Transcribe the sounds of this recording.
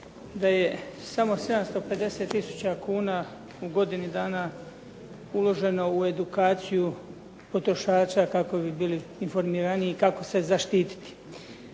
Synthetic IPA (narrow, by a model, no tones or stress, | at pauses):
d̪aje̞samo̞se̞d̪amst̪o̞pe̞d̪e̞se̞t̪ːisu̥t͡ɕakuːna | uɡo̞d̪inid̪aːna | ulˠo̞ʒe̞no̞ue̞d̪ukaːt̪siju | po̞t̪ɾo̞ʃaːt͡ɕakako̞bibiːliːnfo̞ɾmiːɾaniːkako̞se̞zaʃt̪iːt̪i̥t̪i̥